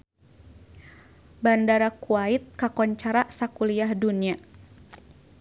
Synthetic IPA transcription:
bandaɾakuait̪̚kakɔɲt͡ʃaɾaʔsakuliahdunia

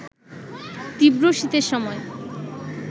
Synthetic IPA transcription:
t̪ibɾoʃit̪eɾʃɔmɔe

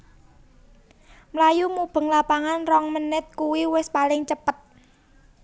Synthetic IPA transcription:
mlajumub̥ə̤ŋlapaŋanrɔŋmənɪt̪̚kuwiwɪspalɪŋt͡ʃəpət̪̚

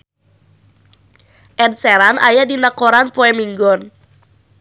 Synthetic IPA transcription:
ʔɛnsɛɾanʔa̰jadinakoɾanpoɛmiŋɡɔn

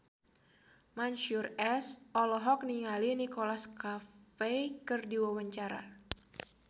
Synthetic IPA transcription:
manʃurɛsʔɔlɔɦɔk̚niŋalinikolaskafejkərdiwawaɲt͡ʃaɾa̰

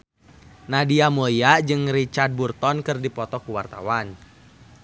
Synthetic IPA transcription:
nadiamojad͡ʒɨŋɾit͡ʃard̚burt̪ɔnkɨrdipɔt̪ɔkuwart̪a̰wan

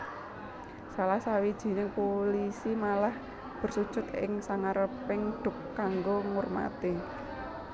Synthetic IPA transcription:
salahsawid̥ʒ̥i̤nɪŋpolisimalah | b̥ə̤rsud̥ʒ̥ʊ̤t̪ɪ̰ŋsaŋaɾəpɪŋɖ̥ʊ̤kkːaŋɡoŋʊrma̰t̪i

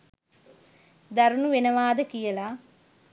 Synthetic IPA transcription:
d̪aɾunuʋenəʋaːd̪əkijəla

